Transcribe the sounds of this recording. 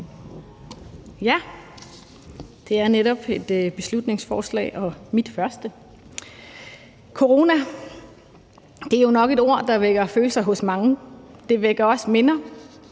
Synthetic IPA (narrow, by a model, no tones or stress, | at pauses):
jæ | d̥e̝æɐneɾɒ̽b̥e̝d̥b̥e̝slud̥ne̝ŋsfɒːslɛ̰ːʔɒ̽mid̥fɶɐsd̥ə | kʰo̝ʁo̝ːnæ | d̥e̝æɐjo̝nɒ̽ɡ̥e̝d̥o̝ɐ̰d̥ɑ̈ʋeɡ̥ɐføːləsɑ̈ɪɦɔ̽smɑ̈ŋəd̥e̝ʋeɡ̥ɐɒ̽sme̝nɐ